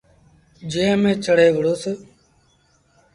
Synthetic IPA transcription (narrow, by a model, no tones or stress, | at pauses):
d͡ʒeːəmẽːt͡ʃəɽ̤eːʋəɽoːseː